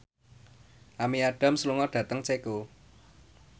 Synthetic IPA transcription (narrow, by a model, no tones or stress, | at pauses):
ʔamiaɖ̥a̤msluŋɔɖ̥ä̤t̪əŋt͡ʃeko